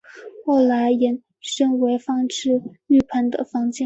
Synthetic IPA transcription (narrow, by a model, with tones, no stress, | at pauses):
xo˥˩ʊla˧˥ɪjɛ˧˥n | ʂɤ˥ŋwe˧˥ɪfɑ˥ŋʈ͡ʂɻ̩˥˧ | y˥˩pʰa˧˥nd̪ə̰˧˨fɑ˧˥ŋt͡ɕjɛ˥˩